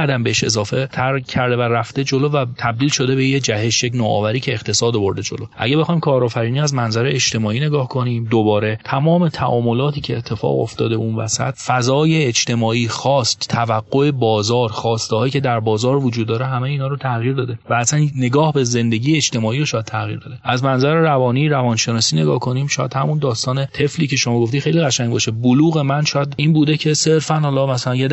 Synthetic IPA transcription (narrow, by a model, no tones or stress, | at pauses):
æd̪æmbeheʃe̞zɒːfe̞t̪ʰæɾcʰæɾd̪e̞væræfd̪e̞d͡ʒo̞lovæt̪ʰæb̚d̪iːlʃo̞d̪e̞bejed͡ʒæhe̞ʃjecnoːɒ̰ːvæɾiːcʰe̞ːxt̪ʰe̞sɒːd̪obo̞ɾd̪ed͡ʒo̞̰loʔæ̰ɟæbexɒjmkʰɒːɾɒːfæɾiːniːæzmænzæɾeed͡ʒt̪e̞mɒːiːne̞ɡɒːhkʰo̞niːmd̪obɒːɾe̞t̪ʰæmɒːme̞t̪ʰæʔɒːmo̞lɒːt̪ʰiːcʰe̞ːt̪ʰːe̞fɒ̰ːɣo̞̰ft̪ɒ̰ːd̪eunvæ̰sæ̰t̪fæzɒːjeːd͡ʒt̪ʰe̞mɒːiːxɒːst̪t̪ʰːævæɡːo̞e̞bɒːzɒːɾxɒːst̪ehɒːjiːcʰe̞d̪æɾbɒːzɒːɾvod͡ʒuːd̪ːɒːɾeɦæmejiːnhɒːɾot̪ʰæɣjiːɾd̪ɒːd̪e̞væːsænne̞ɡɒːhbe̞ze̞nd̪e̞ɟiːjeːd͡ʒt̪e̞mɒːiːɾoʃɒːjæd̪tʰæɣḭɾd̪ɒːd̪eʔæzmænzæɾeɾævɒːniːɾævɒnʃe̞nɒːsiːne̞ɡɒːhkʰo̞niːmʃɒːjæ̰d̪hæmund̪ɒːst̪ɒːnet̪ʰe̞fliːcʰe̞ʃomɒːɡo̞ft̪ixejliɣæʃæɲɟbɒʃeboluːɣe̞mænʃɒːjæd̪ʔiːnbuːd̪e̞cʰe̞se̞ɾfænhɒːlɒːmæsælænjed̪